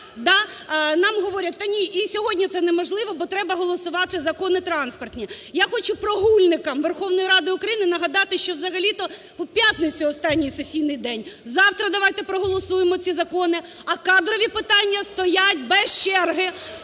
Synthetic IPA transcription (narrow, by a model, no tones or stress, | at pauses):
d̪ɑnɑmɦɔʋɔɾʲɐt̚ʲt̪ɐnʲiʔisʲɔɦɔdʲnʲit̪sɛnɛmɔʒlˠɪʋɔbɔt̪ɾɛbɐɦɔlˠɔsʊʋɑt̪ɪzɐkɔnɪt̪ɾɑnspɐrt̪ʲnʲijaxɔt͡ʃʊpɾɔɦulʲnɪkɐmʋerxɔwnɔjiɾɑd̪ɪʊkɾɐjinɪnɐɦɐd̪ɑt̪ɪʃt͡ʃɔzɐɦɐlʲit̪ɔ | wpʲjat̪ʲnɪt͡sʲiɔst̪ɑnʲːijsesʲijnɪjd̪ɛnʲzɑwt̪ɾɐd̪ɐʋɑjt̪ɛpɾɔɦɔlˠɔsujemɔt͡sʲizɐkɔnɪ | ɐkɑd̪ɾɔʋʲipɪt̪ɑnʲːɐst̪ɔjatʲbɛst͡ʃɛrɦɪ